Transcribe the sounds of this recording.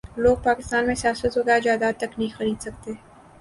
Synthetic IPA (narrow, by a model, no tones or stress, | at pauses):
loːɡ̚paːkɪst̪aːnmẽsijaːsət̪ɦoɡad͡ʒaːd̪aːt̪ɐknɐɦĩxɐɾiːd̪sɐk̚t̪eː